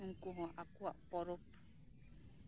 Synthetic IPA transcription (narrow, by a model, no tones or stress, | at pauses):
ŋ̩kuɦɔ̃ʔakua̰ʔpɔɾɔp